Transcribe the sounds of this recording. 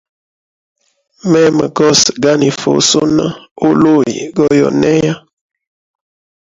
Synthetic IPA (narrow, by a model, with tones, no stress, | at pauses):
mɛ˦mə˨ɡɔ˦sɡa˦ni˨fo̰˨so˦na̰˦o˦lo˦˨jḭ˨ɡɔ˦jɔ̰˨nɛ˦ja˦